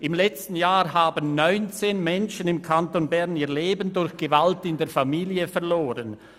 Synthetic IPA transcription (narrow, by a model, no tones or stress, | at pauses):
ʔɪmlɛt͡stn̩jaːhaːbənːɔʏnt͡seːnmɛnʃənɪmkʰantonbɛʁniːɐleːbəndʊɾçɡ̥əvaltɪndeːɐfamiːljəfɛɐʁloːʁən